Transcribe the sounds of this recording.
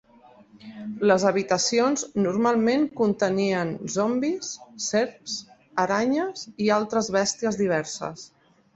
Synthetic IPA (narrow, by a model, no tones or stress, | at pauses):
ləzəβit̪əsionznuɾmalˠmeŋkunt̪əniənzombisːeɾps | əɾaɲəzialˠt̪ɾəzβɛst̪iəzðiβ̞ɛɾsə̰s